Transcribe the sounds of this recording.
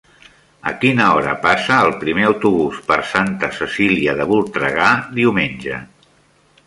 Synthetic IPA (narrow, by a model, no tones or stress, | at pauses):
ə̰kinəɔɾə̰pasəːlˠpɾimeəwt̪uβuspəɾsant̪əsəsiliəðəβulˠt̪ɾəɣ̞aðiumenʲʒə